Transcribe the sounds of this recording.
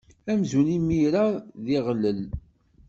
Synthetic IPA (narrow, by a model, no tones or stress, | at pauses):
æmzunimːiɾaðiʁlːəl